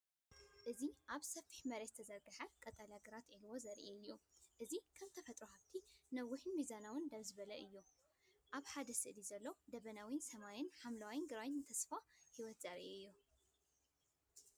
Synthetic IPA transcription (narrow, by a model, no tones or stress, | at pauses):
ʔɨziʔaβsɐfi̥ħmɐɾet̪t̪ʰɐzɐɾɡɨħɐkʼɐt̪ʼalaɡɨɾat̪ʔilwo̞zɐɾʔeɨjːuʔɨzikʰɐmt̪ʰɐfɐt̪ʼɾuhaβt̪ʰinɐwːʊħmizanawɨnd̪ɐβzɨβɐlɐʔɨjːu | ʔaβħad̪ɐsɨʔlizɐlːo̞d̪ɐβɐnawinsɐmajɪnħamlawajnɡɨɾajɪnt̪ʰɐsfahiwɔt̪z̥aɾʔeɨjːu